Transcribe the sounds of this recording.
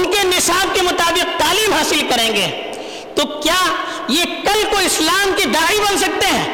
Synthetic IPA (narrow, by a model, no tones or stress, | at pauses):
nkenɪsaːb̚kemʊt̪aːbɪq̚t̪aːliːmɦaːsɪlkɐɾẽːŋɡeː | t̪okjaː | jekɐlkoɪslaːmkid̪aːibɐns̬ɐk̚t̪eɦɛ̃ː